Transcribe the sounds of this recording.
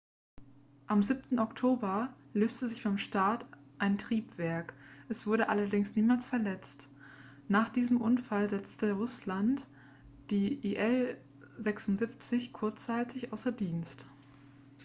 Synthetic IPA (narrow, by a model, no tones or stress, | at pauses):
ʔamzip̚tn̩ɔktʰoːbɐløːstəzɪçb̥aɪmʃtaːɐt | ʔaɪntʁ̥iːpv̥ɛɐkʔɛsv̥ʊɐɾəʔalɐdɪŋsniːmaːlsfɛɐlɛt͡st | naːχd̥iːzəmʔʊnfalzɛt͡stəʁʊslant | d̥iːʔiʔɛl | zɛksʊntz̥ipt͡sɪçkʰʊɐt͡st͡saɪtʰɪçʔaʊsɐdiːnst